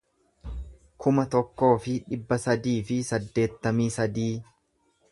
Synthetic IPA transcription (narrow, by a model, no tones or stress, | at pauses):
kʰʊmɐt̪ɔkːo̞ːfɪᶑɪbːɐsɐd̪iːfɪsɐd̪ːe̞ːt̪ːɐmiːsɐd̪iː